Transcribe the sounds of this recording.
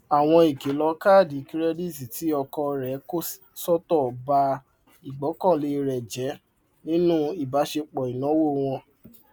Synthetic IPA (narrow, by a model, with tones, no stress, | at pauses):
a˨w̃ɔ̃˧i˨ke˨˦lɔ˧ka˦˨di˨ki˦ɾɛ˦di˦si˨ti˨˦ɔ˧kɔ˧ɾɛ˨˦ko˦s | sɔ˦tɔ˦˨ba˧ | i˨ɡ͡bɔ˨˦kɔ̃˦˨le˧ɾɛ˨d͡ʒɛ˨˦ | nĩ˦nũ˦i˦˨ba˨˦ʃe˧k͡pɔ˨i˨nɔ̃˨˦wo˦˨w̃ɔ̃˧